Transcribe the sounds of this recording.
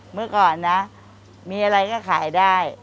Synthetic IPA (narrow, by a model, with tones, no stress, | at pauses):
mɯ˥˩əkɔː˨˩nːa˦˥ | miː˧ʔa˧ɾa˧jkɔː˥˩kʰaː˩˦jdaː˥˩j